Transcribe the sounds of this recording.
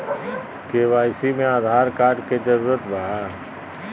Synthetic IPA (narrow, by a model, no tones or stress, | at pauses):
keːʋaːjsimẽaːd̪ʱaːɾkaːɾɖked͡ʒɐɾuːɾət̪baɦa